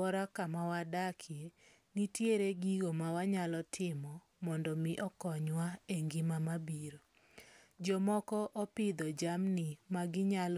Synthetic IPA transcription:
ɔɾakamawadakʰje | nitjeɾeɡiɡomawaɲalɔtʰɪmɔ | mɔndɔmɪʔɔkɔɲwaeŋɡimamabiɾo | d͡ʒɔmɔkɔʔɔpɪd̪ɔd͡ʒamnɪmaɡɪɲal

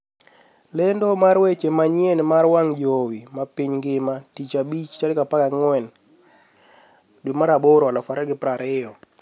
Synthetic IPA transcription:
lɛndomaɾwet͡ʃemaɲjenmarwaŋd͡ʒowimapiɲŋɡɪmatit͡ʃabit͡ʃt͡ʃalɪkapakaŋwɛn | dwimaɾaboɾɔalɔfaɾɛɡɪpɾaɾɪjɔ

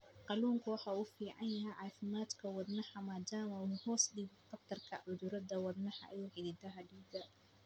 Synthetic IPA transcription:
qɑluːŋkʰʊwɑħɑuːfiːʕɑjjɐɦɛjʕɑːfɪmaːd̪kʰɐwɑd̪nɐħɐmaːd̪aːmɐhɔːsɖiːbqɐft̪ʰɐrkʰɐ̰ʕʊðʊɾɐd̪ɐwɑd̪nɐħɑ̰ʔɐ̰juːħɪðɪd̪ɐɦɐɖiːbd̪ɐ

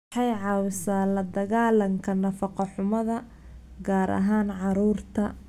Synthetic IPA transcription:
ħɑjʕɑːwɪsaːlɐd̪ɐɣaːlɐŋkʰɐnɐfɑqɑħʊmɐðɐ | ɡaːɾɐ̰ɦaːnʕɑɾuːrt̪ʰɐ

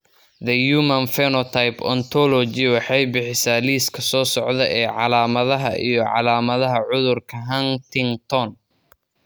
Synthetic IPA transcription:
ðɐjuːmɐnfɛnɔt̪ʰajpʰɔnt̪ʰɔlɔt͡ʃɪwɑħɑjbɪħɪsaːliːskʰɐsɔːsɔʕðɐʔɛːʕɑlaːmɐðɐɦɐ̰ʔijɔʕɑ̰laːmɐðɐɦɐʕʊðʊrkʰɐɦɐnt̪ʰɪŋt̪ʰɔn

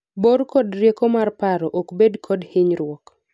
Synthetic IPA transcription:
boɾkɔdɾjekomarpaɾɔʔokbedkʰɔdhɪɲɾwɔk

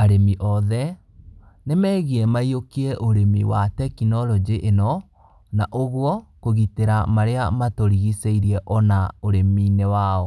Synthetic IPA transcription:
aɾemiʔɔðɛ | nemɛːɣiɛmaiokiɛʔoɾemiwatɛkinɔlɔd͡ʒiʔenɔ | naʔoɣwɔkoɣiteɾamaɾeamatoɾiɣiseiɾiɛʔɔnaoɾeminewaɔ

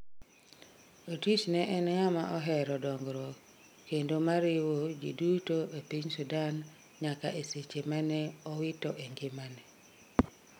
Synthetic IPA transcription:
otit͡ʃnɛʔɛnŋamaʔɔɦɛɾɔdɔŋɡɾo | kendomaɾɪwod͡ʒḭdutoepiɲsudan | ɲakaʔeset͡ʃemanɛɔwɪtɔʔeŋɡɪmanɛ

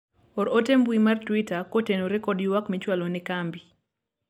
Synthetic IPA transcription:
ɔɾotembuimartwitakotenoɾɛkɔdjʊwakmit͡ʃwalonɛkambi

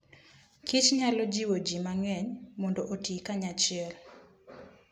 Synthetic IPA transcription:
kʰit͡ʃɲalɔd͡ʒiwod͡ʒimaŋɛɲmɔndɔʔotikaɲat͡ʃɪɛl

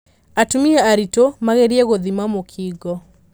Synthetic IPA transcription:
atumiɛaɾitomaɣeɾiɛɣoðimamokʰiɡɔ

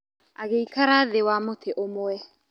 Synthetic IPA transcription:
aɣeikaɾaðewamotʰeʔomoɛ

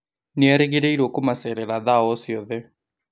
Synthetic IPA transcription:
neɛɾeɣeɾɛiɾokomasɛɾɛlaðaɔsjɔðɛ

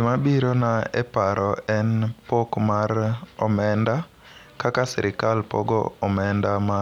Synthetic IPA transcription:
d͡ʒɪmabiɾonaɛ̰paɾʔɔɛnpokmaɾɔmɛnda | kakasɛɾʔɪkalpɔ̰ɡɔ̰ɔmɛndama

